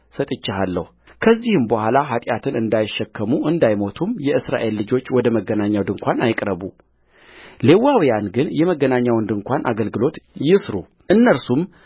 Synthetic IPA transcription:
sət̪ʼɨt͡ʃːɪɦalːəhu | kʰəzːihɨmbəhʷalaɦat̪ʼjat̪ʰɨnɨnd̪ajɪʃːɛkʰːəmuʔɨnd̪ajmo̞t̪ʰumjɛɨsɾa̰ʔe̞lːɨd͡ʒo̞t͡ʃːwɔd̪əməɡːənaɲːawd̪ɨŋkʷanajɪkʼɾəβu | le̞wawijanɡɨnjɛməɡːənaɲːawnd̪ɨŋkʷʰanʔa̰ɡəlɡɨlo̞t̪jɪsɾu | ʔɨnːəɾsum

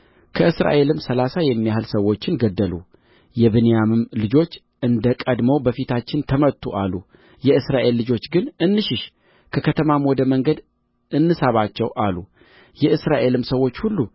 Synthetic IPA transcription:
kʰəɨsɾa̰ʔe̞lɨmsəlasajɛmːijahɨlsəwo̞t͡ʃːɪnɡəd̪ːəlṵ | jɛβɨnejamɨmlɨd͡ʒo̞t͡ʃː | ʔɨnd̪əkʼəd̪mowbəfit̪ʰat͡ʃːɪnt̪ʰəmət̪ʰːuʔalːu | jɛɨsɾaʔe̞lːɨd͡ʒo̞t͡ʃːɡɨnʔɨnːɨʃɪʃ | kʰəkʰət̪ʰəmamwɔd̪əməŋɡəd̪ | ʔɨnːɨsaβat͡ʃːɛwʔalːu | jɛɨsɾaʔe̞lɨmsəwo̞t͡ʃːhulːu

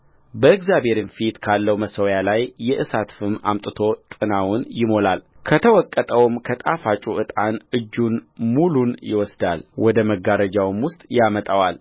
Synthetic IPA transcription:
bəɨɡzjabhe̞ɾɨnfit̪kʰalːəwməsəwjalajːɛʔɨsat̪fɨma̰mt̪ʼɨt̪ʰo̞t̪ʼɨnawʊnjɪmo̞lalkʰət̪ʰəwɔkʼːət̪ʼəwmkʰət̪ʼafat͡ʃʼuɨt̪ʼanɨd͡ʒːunmulunjɪ̰wɔsd̪alwɔd̪əməɡaɾəd͡ʒawmwʊst̪ʼjamət̪ʼawal

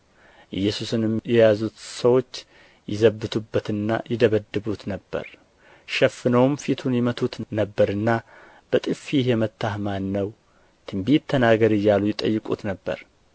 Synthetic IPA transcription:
ʔɨ̰jːɛsusɨnɨmjɛjazut̪səwo̞t͡ʃː | jɪzəbːɨt̪ʰubːət̪ɨnːa̰jɪd̪əβəd̪ːɨβut̪nəbːə̰ɾ | ʃɛfːɨnəwmfit̪ʰunjɛmət̪ʰut̪nəbːəɾɨnːa | b̥ət̪ʼɨfiɦjɛmət̪ʰːahmanːəw | t̪ʰɨmbit̪ʰːənaɡəɾɨjːalujɪt̪ʼə̰jːɨkʼṵt̪nəbːə̰ɾ

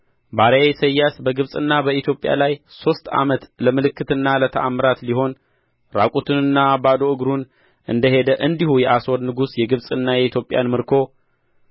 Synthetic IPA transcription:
baɾejejsəjːasbəɡɨβsʼɨnːabəit̪ʰjo̞pʼja̰lajso̞st̪ʼa̰mət̪ləmɨlɨkːɨt̪ɨnːalət̪ʰəʔamːɨɾat̪liɦo̞n | ɾa̰kʼut̪ʰɨnɨnːabad̪oɨɡɾun | ʔɨnd̪əɦe̞d̪əʔɨnd̪ihujɛʔasod̪nɨɡusjɛɡɨβsʼɨnːajɛit̪ʰjo̞pʼːja̰nmɨɾkʰo̞

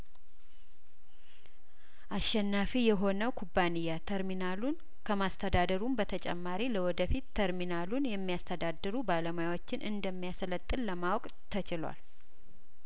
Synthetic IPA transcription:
ʔaʃːɛnːafijɛɦo̞nəwkʰubːanɨjːat̪ʰəɾminalun | kʰəmast̪ʰəd̪ad̪əɾumbət̪ʰət͡ʃʼɛ̰mːaɾiləwɔd̪əfit̪ːʰəɾminalunjɛmːijast̪ʰəd̪ad̪ːɨɾubaləmajawot͡ʃːɪnʔɨnd̪əmːijaslət̪ʼːɨlːəmawkʼ | t̪ʰət͡ʃɪlwa̰l

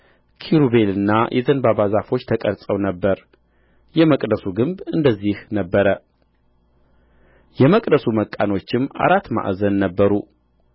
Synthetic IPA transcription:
kʰiɾuβe̞lɨnːajʔɛzənbabazafo̞t͡ʃːt̪ʰəkʼəɾsʼəwnəbːəɾ | jɛməkʼd̪əsuɡɨmbɨnd̪əzːihnəbːəɾə | jɛməkʼd̪əsuməkʼːano̞t͡ʃːɪmʔa̰ɾat̪ːma̰ʔzənːəbːəɾu

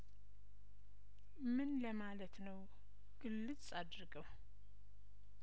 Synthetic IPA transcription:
mɨnləmalət̪nəw | ɡ̥ɨlːɨt͡sʼad̪ɾɨɡəw

